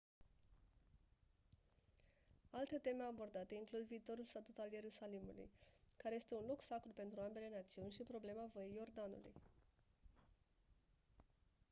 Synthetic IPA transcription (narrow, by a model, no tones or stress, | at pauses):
alt̪ət̪e̞meabo̞rd̪at̪əiŋklud̪viːt̪o̞ɾulst̪at̪ut̪alje̞ɾusalimṵlṵjkaɾe̞je̞st̪e̞unluksakɾupe̞nt̪ɾuambe̞le̞nat̪siunʲʃipɾo̞ble̞mavojejo̞rd̪anṵlṵj